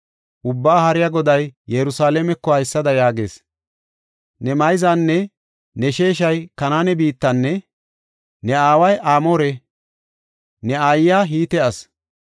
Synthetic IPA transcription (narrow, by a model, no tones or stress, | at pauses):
ʔʊbːaːhɐɾɪjaɡɔd̪ɐjːɛɾʊsaːleːmɛkːɔhɐjsːɐd̪ɐjaːɡḛːs | nɛmɐjzanːɛ | nɛʃe̞ːʃ̬ɐjkɐnaːnɛbiːt̪ːɐnːɛ | nɛaːwɐjʔaːmoːɾɛ | nɛaːjːaːɦiːt̪ɛɐs